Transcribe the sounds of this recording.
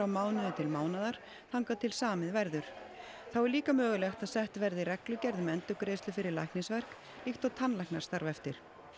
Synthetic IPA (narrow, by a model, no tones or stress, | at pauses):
awmaːwnɪðʏt̪ʰɪlmaːwnaðaɾ̥ | θawŋkat̪ʰɪlsaːmɪðvɛɾðʏɾ̥ | θawɛɾliːkamœːɣʏlɛxt̪aðsɛht̪vɛɾðɪrɛklʏcɛɾðʏmɛnt̪ʏkɾeːst̪lʏfɪɾɪɾla̰jhknɪsvɛr̥k | lixt̪awt̪ʰanlajknaɾ̥st̪aɾvɛft̪ɪɾ̥